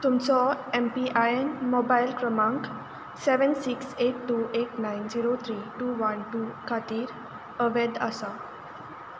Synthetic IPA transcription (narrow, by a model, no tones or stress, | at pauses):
t̪umt͡sɔempiʔajenmobajilkɾəmãŋk | sɛʋənsikseʈʈːuʔeʈnajnd͡ziɾot̪ʰɾiʈuːʋənʈuːkʰat̪iːɾ | əʋɛd̪əsa